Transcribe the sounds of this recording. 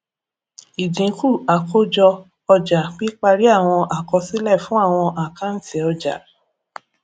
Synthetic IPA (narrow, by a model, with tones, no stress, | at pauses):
i˨dĩ˨˦ku˦˨a˨ko˦d͡ʒɔ˧ | ɔ˧d͡ʒa˨k͡pi˦k͡pa˧ɾi˦a˦˨w̃ɔ̃˧ʔa˨kɔ˧si˦lɛ˦˨fũ˨˦a˦˨w̃ɔ̃˧ʔa˨ka˦n̩˦ti˨ɔ˧d͡ʒa̰˨˦